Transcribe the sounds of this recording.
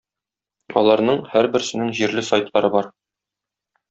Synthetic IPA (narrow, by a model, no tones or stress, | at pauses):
ɒlˠɑɾnɤɴhæɾbɘ̆ɾsɘ̆nɘŋʑiɾlɘsɑjt̪lˠɑɾɤbɒɾ